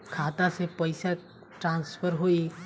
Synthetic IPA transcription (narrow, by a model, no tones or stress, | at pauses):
kʰaːt̪asepəɪsa | ʈɾãːnspʰəɾɦoi